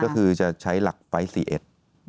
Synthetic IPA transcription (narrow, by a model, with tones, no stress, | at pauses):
kɔː˥˩kʰɯː˧t͡ɕa˨˩t͡ɕʰa˦˥jla˨˩k̚pa˧jsḭː˨˩ʔḛ˨˩t̪̚